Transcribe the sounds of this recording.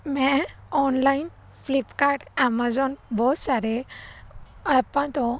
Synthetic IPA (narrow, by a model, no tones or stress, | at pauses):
mɛɔnlain | flipkaɾʈamad͡zɔnbɔsaɾe | apãt̪ɔ